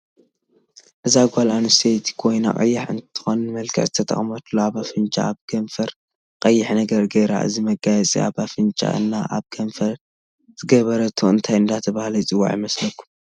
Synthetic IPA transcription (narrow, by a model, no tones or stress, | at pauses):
ʔɨzaɡʷalanɨst̪ʰet̪ʰi̥kʰo̞jna̰kʼɐ̰jːaħɨ̰nt̪ʰɨ̥xonɨnmɐlkʰɨ̰ʕzɨt̪ʰɐt̪ʰʼɐ̰χʼmɐt̪loaβafɨnt͡ʃʼa̰aβkʰɐɱfɐɾ | qʼɐjːɪħnɐɡɐɾɡejɾa̰ʔɨ̰zimɐɡajɛt͡sʼḭa̰βafɨnt͡ʃʼa̰ʔɨ̰nːaʔa̰βkʰɐɱfɐɾ | z̥ɨɡɐβɐɾɐt̪ʰoɨnt̪ʰajɨnd̪at̪ʰɐβahlɐt͡sʼɨwːa̰ʕjimɐslɐkʰːum